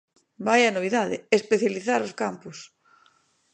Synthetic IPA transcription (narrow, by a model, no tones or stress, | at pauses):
bajanoβiðaðɪespeθjaliθaɾʊskampʊs